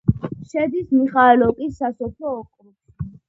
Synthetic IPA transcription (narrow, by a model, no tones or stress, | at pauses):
ʃɛd̪ismiχaɛlɔkʼisːasɔpʰlɔːkʼɾu | i